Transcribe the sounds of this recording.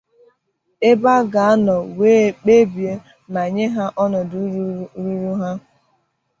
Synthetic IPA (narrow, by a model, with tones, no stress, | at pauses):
e˦ba˦ɡa˨a˦nɔ˨we˦k͡pe˦bje˦ | ma˨ɲe˦ɦa˦ʔɔ˦nɔ˨du˦ɾɾu˦ɾu˦ɦa˦